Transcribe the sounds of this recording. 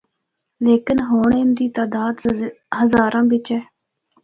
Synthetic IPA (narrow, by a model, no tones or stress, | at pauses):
leːkɪnɦoːɳeːnd̪iːt̪aːd̪aːd̪ | ɦəzaːɾʔãːbɪt͡ʃɛː